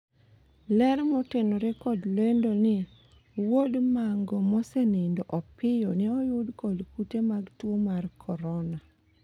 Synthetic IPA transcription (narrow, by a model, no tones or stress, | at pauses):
lɛɾmɔtenoɾekɔdlendonɪ | wodmaŋɡɔmɔsenendoʔɔpɪjɔniɔjʊdkɔlkutemaɡtwomarkʰɔɾɔna